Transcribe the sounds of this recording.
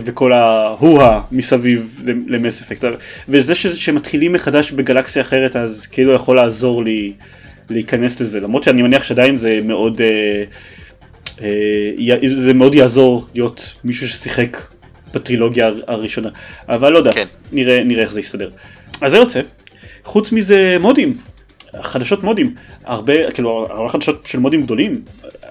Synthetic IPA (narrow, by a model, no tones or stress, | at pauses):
veko̞lahuhamisavivlelemesefek̚tavezeʃeʃeemat̪χilimːeχadaʃbeɡalaksijaːχe̞ʁetazkiilujaχo̞laːzo̞ʁli | leikane̞slezelamʁo̞d̪ʃeanimeniaχʃeadainzemeʔo̞de | ejazemeo̞djaːzo̞ʁlijo̞tmiʃuʃe̥siχe̞k | b̥at̪ʁilo̞ɡjaaʁiʃo̞naʔavalːod̪a | niʁeniʁeeχzeist̪ade̞ʁazejot͡se̞ | χut͡smizemo̞dim | χadaʃo̞tmo̞dimaʁbekiilua̰ʁbeχad̪aʃo̞tʃelmo̞dimɡ̚d̪o̞lim